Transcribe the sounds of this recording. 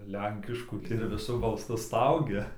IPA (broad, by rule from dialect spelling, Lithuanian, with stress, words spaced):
ˈlʲɛŋʲkʲɪʃkuː ɪr ʋʲɪˈsʊ bɐlˠˈsʊ ˈstɐʊɡʲɛ